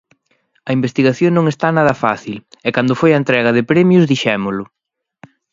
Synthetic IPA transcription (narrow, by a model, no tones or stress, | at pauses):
ɐimbest̪iɣaθjoŋnõŋest̪anaðɐfa̰θilɛkand̪ʊfojɐent̪ɾɛɣɐðɪpɾɛmjʊzðiʃɛmʊlʊ